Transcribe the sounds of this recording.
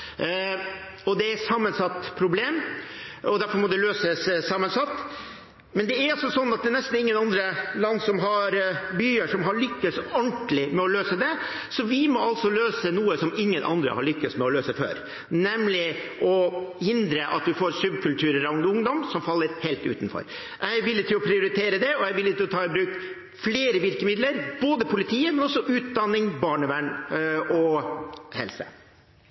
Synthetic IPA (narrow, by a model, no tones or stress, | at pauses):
ɔd̪ɛæsɑmːənsɑt̪ːpʰɾʊbleːm | ɔd̪æɾfɔɾmɔd̪ɛløːsəssɑmːənsɑt̪ː | mɛnd̪ɛæɾɑsɔsɔnːɑt̪̚d̪ɛnɛst̪n̩ɪŋːənɑnd̪ɾəlɑnːsɔmɦɑɾbyːəʂɔmɦɑɭʏkːəsɔɳʈlɪmɛɔløːsəd̪ɛ | sɔʋɪmɔɑlsɔløːsənuːəsɔmɪŋːənʔɑ̰nd̪ɾə̰hɑ̰ɾɭʏkːəsmɛɔløːsəfø̰ːɾ | nɛmlɪ | ʔɔhɪnd̪ɾəʔɑt̪ʋɪfoːɾsʉbkʰʉlt̪ʰʉːɾəɾɑʊŋd̪ʊŋd̪ɔmsɔmfɑlːəɾheːlt̪ʉ̰ːt̪nfɔ̰ɾ | ʔæɪʋɪlːət̪ʰɪlɔpʰɾɪʊɾɪt̪ʰeːɾəd̪ɛɔæɪʋɪlːət̪ʰɪlɔt̪ʰɑːɪbɾʉːkt̪ | fleːɾəʋɪɾkəmɪd̪ləɾb̥oːd̪əpʰʊlɪt̪ʰiːəmɛnɔsɔʔʉːt̪̚d̪ɑnːɪŋbɑːɳəʋæɳɔ | hɛ̰lsə̰